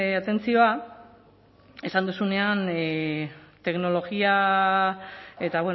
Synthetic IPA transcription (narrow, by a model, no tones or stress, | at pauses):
at̪e̞nt͡sio̞a | e̞sand̪usune̞an | t̪e̞kno̞lo̞ɣia | e̞t̪aβwe